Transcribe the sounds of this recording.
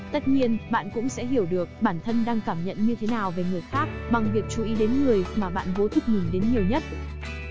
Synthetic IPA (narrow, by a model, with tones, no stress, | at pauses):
t̪ə˦˥t̚ɲi˧ənɓa̰ː˧˨nkʊ̰˧˥ŋ͡msɛ̰˧˥ɦi˧˩əwɗɨ˨˩ək̚ɓaː˧˩nt̪ʰə˧nɗaː˧ŋkaː˧˩mɲə̰˧˨nɲɨ˧t̪ʰe˨˦naː˨˩wve˨˩ŋɨ˨˩əjxaː˦˥k̚ɓa˨˩ŋvi˨˩ək̚t͡ɕu˧˩ʔi˨˦ɗe˨˦nŋɨ˨˩əjmaː˨˩ɓa̰ː˧˨nvo˨˦t̪ʰʊ˨˩k͡p̚mï˨˩ŋ̟ɗe˨˦nɲi˨˩əwɲə˦˥t̚